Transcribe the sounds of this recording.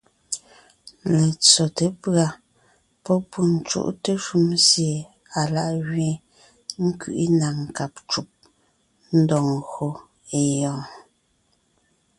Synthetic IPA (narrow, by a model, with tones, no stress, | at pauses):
le˨t͡sɔ˨te˨pɰa˨ | pɔ˦pu˦n̩˦˨t͡ʃṵ˦ʔte˦ʃu˦msje˨ | a˨la˦˨ʔɣɥe˦˨ | ŋ̩˦kḭ˨ʔi˦na˨ŋ̩˨ka˨p̚t͡ʃu˨p̚ | n̩˦dɔ˨ŋɣo˨ | e˦˨jɔ̃ː˦